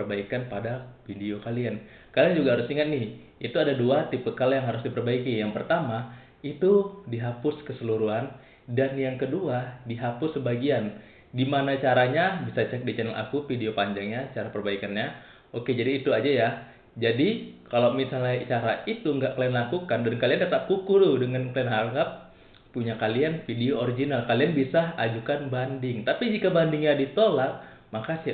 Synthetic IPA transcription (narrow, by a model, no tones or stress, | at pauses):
pərbaikanpadafideokalian | kaliand͡ʒuɡaɦaɾʊsiŋat̪̚nɪhit̪uadaduat̪ipəkaljaŋɦaɾʊs̬dipərbaikijaŋpərt̪ama | it̪udiɦapʊskəsəluɾuɦan | danjaŋkəduadiɦapʊsːəbaɡian | dimanat͡ʃaɾaɲabisat͡ʃɛk̚dit͡ʃɛnɛlʔa̰kufideopaɲd͡ʒaŋɲat͡ʃaɾapərbaikanɲa | oked͡ʒadiːt̪uad͡ʒaja | d͡ʒadikalowmisalɲat͡ʃaɾait̪uŋɡaʔklaɛnlakukandankaliandat̪aʔkukuɾudəŋanklaɛnɦaŋɡap̚ | pːuɲakalianfideooɾid͡ʒinalkalianbisaad͡ʒukanbandɪŋt̪apid͡ʒikabandɪŋɲadit̪olat̪̚ | makasɪ